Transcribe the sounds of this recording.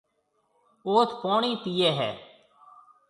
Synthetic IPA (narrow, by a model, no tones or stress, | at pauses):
oːt̪ʰpoːɳiːt̪ijɛːɦɛ̰ː